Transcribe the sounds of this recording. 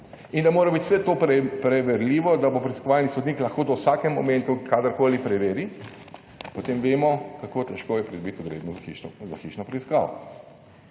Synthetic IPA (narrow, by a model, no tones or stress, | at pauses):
ind̪amoːɾabit̪wsɛt̪oːpɾpɾɛʋɛɾliːʋɔd̪abopɾɛiskɔʋalnisɔd̪niːklɐxkoːd̪ɔwsaːkɛmːɔmɛ̃nt̪ukad̪əɾkoːlipɾɛʋeːɾi | pot̪eːmʋeːmɔkakoːt̪ɛʃkoːjɛpɾid̪ɔbit̪ɔd̪ɾḛːd̪nɔizaxiʃnɔpɾɛiska̰ːʋɔ̰